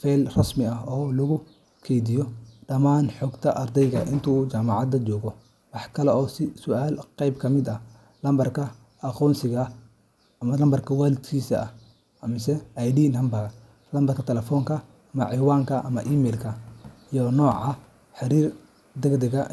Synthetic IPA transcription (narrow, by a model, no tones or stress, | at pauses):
fɛlrɐsmɪɐɦɔːlɐɣʊ | kʰɛːd̪ɪjɔɖɐmaːnħɔːɡt̪ʰɐʔɐrd̪ɛjɣɐ̰ʔɪnt̪ʰuːd͡ʒaːmɑʕɑd̪ɐt͡ʃɔːɣɔ | wɑħkʰɐlɛʔɔːsɪsʊaːlqɑjbkʰɐmɪd̪ɐ | lɐmbɐrkʰɐ | ɐqɔːnsɪɣɐː | mɐlɐmbɐrkʰɐwaːlɪd̪kʰiːsɐː | ɐmɪsɛɐjɖiːnɐmbɐɣɐ | lɐmbɐrkʰɐt̪ʰɛlɛfɔːŋkʰɐ | ɐmɐ̰ʕiwaːŋkʰɐʔɐmɐʔiːmɛːlkʰɐijɔnɔːʕɑ | ħɪɾiːr | d̪ɛɡd̪ɛɣɐ